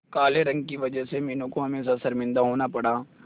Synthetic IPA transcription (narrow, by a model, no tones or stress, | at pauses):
kaːleɾɐ̃ŋɡ̚kiʋɐd͡ʒəsemiːnõkoɦɐmeːs̬asɐɾmɪ̃nd̪aɦoːnapɐɽaː